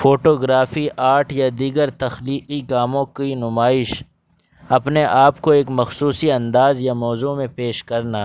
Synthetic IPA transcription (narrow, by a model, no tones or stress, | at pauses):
fʰoːʈoːɡɾaːfiʔaːʈʰjad̪iːɡəɾt̪ɐxliːqiɡaːmõkinʊmaːɪʃ | ɐpneʔaːpkoeːkmɐxsuːsiɐ̃nd̪aːzjamɔːzumẽpeːʃkɐɾna